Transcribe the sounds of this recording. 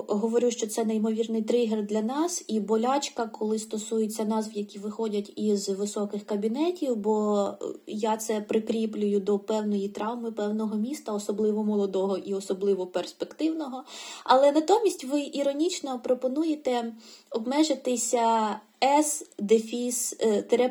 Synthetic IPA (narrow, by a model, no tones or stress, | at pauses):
ɦɔʋɔɾʲuʃt͡ʃɔt̪sɛnɛjmɔʋʲirnɪjt̪ɾɪɦerd̪lʲɐnɑsibɔlʲɑt͡ʃkɐkɔlˠɪst̪ɔsujet͡sʲːɐnɑzʋjɐkʲiʋɪxɔdʲɐtʲizʋɪsɔkɪxkɐbʲinɛtʲiwbɔ | jat̪sɛpɾɪkɾʲiplʲʊjʊd̪ɔpɛwnɔjit̪ɾɑwmɪpɛwnɔɦɔmʲist̪ɐɔsɔblˠɪʋɔmɔlˠɔd̪ɔɦɔʔiɔsɔblˠɪʋɔperspekt̪ɪwnɔɦɔɐlˠɛnɐt̪ɔmʲisʲtʲʋɪʔiɾɔnʲit͡ʃnɔpɾɔpɔnujet̪ɛɔbmɛʒɪt̪ɪsʲɐ | ɛsd̪efʲist̪ɾɛ